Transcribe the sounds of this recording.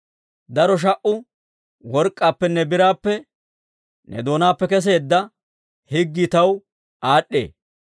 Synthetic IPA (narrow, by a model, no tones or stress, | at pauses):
d̪ɐɾɔʃ̬ɐʔʊ | wɔɾkʼːaːpːɛnːɛbɪɾaːpːɛ | nʔɛ̰d̪o̞ːnaːpːɛkɛs̬e̞ːd̪ːɐ | hɪɡːɪt̪ɐw | ʔaːɗːḛː